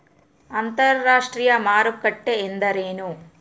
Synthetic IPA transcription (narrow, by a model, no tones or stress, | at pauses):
ɐnt̪ɐɾːaːʂʈɾiːjɐmaːɾukːɐʈːeːnd̪ɐɾeːnu